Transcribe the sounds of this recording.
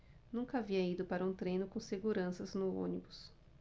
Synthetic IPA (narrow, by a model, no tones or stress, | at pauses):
nũkɐaviɐid̪ʊpaɾɐũt̪ɾejnʊkõseɡuɾɐ̃sɐznʊõ̰nibʊs